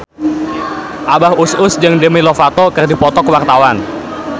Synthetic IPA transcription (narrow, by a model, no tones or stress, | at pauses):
ʔabahusʊsd͡ʒəŋdəmilɔfat̪ɔkərdipɔt̪ɔkəwart̪awan